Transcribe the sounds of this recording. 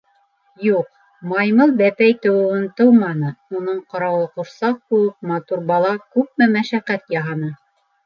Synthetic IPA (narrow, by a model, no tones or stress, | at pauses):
juq̚ | mɑjmɤlˠbæpæjt̪ŏwɘ̆wɤnt̪ɤwmɑnɤunɤɴqɑɾɑwˠɤqŭɾsɑq̚kʉ̆wɘp̚mɑt̪uɾbɑlˠɑkʉp̚mɘmæʃæqæt̪jɑɦɑnɤ